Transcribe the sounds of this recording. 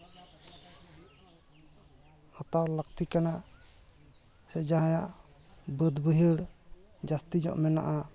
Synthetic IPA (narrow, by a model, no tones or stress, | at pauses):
hɔt̪awlak̚t̪ikanaʔ | sɛd͡ʒaɦajaʔbəd̪bəɦəɽ | d͡ʒast̪id͡ʒɔ̰ʔmɛna̰ʔa